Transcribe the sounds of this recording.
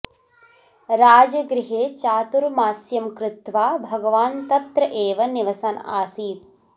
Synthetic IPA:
ɾaːd͡ʒɐɡɾiɦeːt͡ʃaːt̪uɾmaːsjɐmkɾut̪ʋaːbʱɐɡɐʋaːnt̪ɐt̪ɾɐʔeːʋɐniʋɐsaːnaːsiːt̪̚

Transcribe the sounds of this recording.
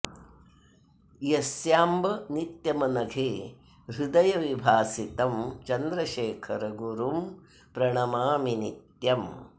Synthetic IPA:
jɐsjaːmbɐnit̪jɐmɐnɐɡʱeː | ɾud̪ɐjɐʋibʱaːsit̪ɐmt͡ʃɐnd̪ɾɐʃeːkʰɐɾɐɡuɾum | pɾɐɳɐmaːminit̪jɐm

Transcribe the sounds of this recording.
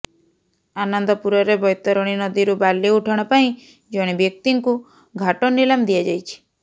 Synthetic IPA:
anɔnd̪ɔpuɾɔɾebɔjt̪ɔɾɔɽ̃inɔd̪iɾubaliuʈʰɔɽ̃ɔpaĩ | d͡ʒɔɽ̃ibjɔk̚t̪iŋku | ɡʱaʈɔnilamd̪iad͡ʒajt͡ʃʰi̥

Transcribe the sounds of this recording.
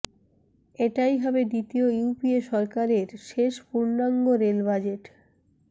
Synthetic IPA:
eʈajɦɔbeɖit̪iojupieʃɔɾkaɾeɾʃeʃpuɾnaŋɡoɾelbad͡ʑeʈ

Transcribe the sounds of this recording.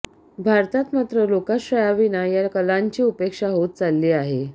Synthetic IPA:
bʱaɾt̪at̪mat̪ɾəlokaɕɾəjaʋinajakəlaɲt͡ɕiːupekʂaɦot̪̚t͡salːiːaɦe

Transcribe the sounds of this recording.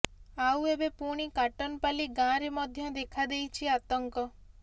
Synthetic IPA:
awebepuɽ̃ikaʈɔnpaliɡãɾemɔd̪ʱjɔd̪ekʰad̪ejt͡ʃʰiat̪ɔŋkɔ

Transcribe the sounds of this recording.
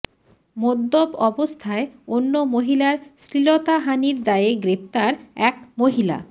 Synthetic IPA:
mod̪ːobɔbost̪ʰaeonːomoɦilaɾsɾilot̪aɦaniɾd̪aeeɡɾept̪aɾɛkmoɦila̰

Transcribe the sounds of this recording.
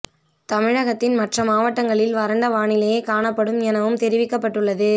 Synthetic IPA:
t̪ɐmɪɻɐɣɐt̪ːɪnmɐʈrɐmaːʋɐʈːɐŋɡɐɭɪlʋɐɾɐɳɖɐʋaːɳɪlɐjekaːɳɐpːɐɽɯmɛnɐʋɯmt̪ɛɾɪʋɪkːɐpːɐʈːɯɭːɐðɯ

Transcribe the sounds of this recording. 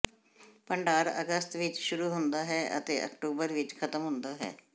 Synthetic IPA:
pəɳɖaːɾə̰ɡəst̪ʋɪt͡ʃʃʊɾuːɦʊnd̪aːɦɛːʔə̰t̪ḛːʔə̰kʈoːbəɾʋɪt͡ʃkʰət̪əmɦʊ̃nd̪aːɦɛ̰ː

